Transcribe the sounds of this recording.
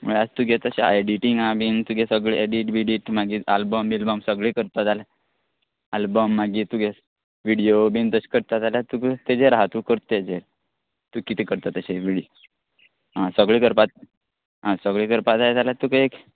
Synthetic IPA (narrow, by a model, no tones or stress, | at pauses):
mṵɭad͡zt̪uɡet̪əɕeeɖiʈiŋɡabint̪uɡesəɡɭiʔeɖiʈʋiɖiʈmaɡiːalbəmbilbəmsəɡɭikəɾt̪at̪ale | albəmːaɡiːt̪uɡe | ʋiɽijobint̪əɕi̥kəɾt̪at̪alat̪ukt̪ed͡zeɾɦat̪ukəɾt̪t̪ed͡zeɾ | t̪ukit̪ikəɾt̪at̪əɕeʋiɽio | ɦãsəɡɭikəɾpat̪̚ | ɦãsəɡɭikəɾpat̪ajet̪alat̪ukek